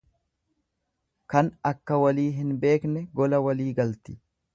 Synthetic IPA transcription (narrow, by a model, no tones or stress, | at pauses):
kɐnɐkːɐwɐliːɦɪnbe̞ːknɛɡɔlɐwɐliːɡɐlt̪ɪ̥